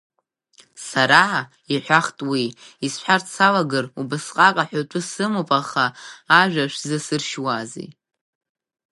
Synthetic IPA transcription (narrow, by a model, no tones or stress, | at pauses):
saɾa | iħʷᶣaχtʼwiisħʷart͡sʰalaɡɨrubɨsqʼakʼaħʷᶣatʷʼʊsɨmopʼaχaːʒᶣaʃʷᶣzɨsɨrʃwazḛj